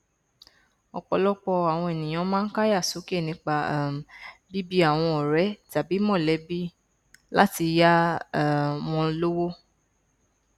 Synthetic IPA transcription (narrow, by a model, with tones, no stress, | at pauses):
ɔ˨k͡pɔ˧lɔ˦k͡pɔ˧a˨w̃ɔ̃˧e˨nĩ˨j̃ã˨˧˦mãː˦n̩˦ka˦ja˦˨su˨˦ke˦˨nĩ˧k͡pa˧˨m˨bi˦bi˦a˦˨w̃ɔ̃˧ɔ˨ɾɛ˨˦ta˨bi˨˦mɔ̃˦˨lɛ˨˦bi˦ | la̰˦ti˧ja˦˨ | w̃ɔ̃˧lo˦wo˦